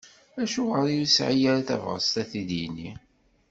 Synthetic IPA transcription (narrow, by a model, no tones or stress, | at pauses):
æʃuʁəɾijusʕijæɾaθæ̰vʁə̰st̪æθiðini